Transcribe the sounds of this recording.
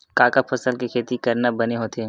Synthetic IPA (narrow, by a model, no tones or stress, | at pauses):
kaːkəpʰɐsəlkikʰeːt̪ikɐɾnabɐneɦoːt̪ʰe